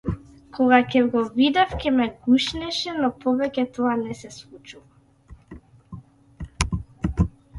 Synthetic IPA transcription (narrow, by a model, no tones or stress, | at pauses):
kʰɔɡakɛɡɔvid̪afcʲɛmɛɡuʃnɛʃɛnɔpɔvɛcʲɛt̪ɔanɛsɛslˠut͡ʃuva